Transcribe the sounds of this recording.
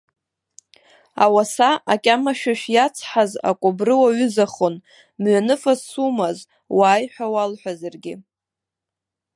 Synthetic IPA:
a̰wasaʔakʲʼamaʃᶣaʃᶣjat͡sʰħaza̰kʷʼʊbrɨwaɥʏzaχon | mɥanɨfassumaz | waːjħʷᶣawalħʷᶣazarɡʲɪ̰

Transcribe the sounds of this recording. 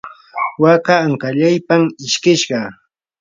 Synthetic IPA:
wakaːŋkaʎajpamɪʃkɪʃɢɑ

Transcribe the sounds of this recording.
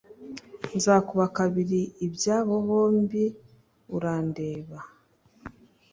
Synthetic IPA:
nzaːkuβakaβiɾiːbjaːβoβo̞ːmbi | uɾaːndeːβa

